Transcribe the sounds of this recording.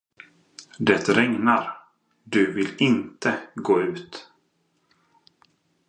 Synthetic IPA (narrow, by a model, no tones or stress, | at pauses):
d̪ɛt̪ɾɛŋnaɾ | d̪ɵvɪlɪnt̪ʰəɡoːʉ̟ːt̪